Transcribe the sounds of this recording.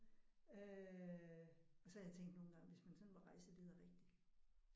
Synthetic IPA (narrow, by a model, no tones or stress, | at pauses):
ø | ɒ̽sɒhæjat͡sʰeŋ̰ɡd̥no̝ːn̩ɡ̥ɑ̈ŋʋe̝smænsɒ̽nʋɑʁɑ̈ɪsd̥eeð̰ˠɐʁeɡ̥d̥i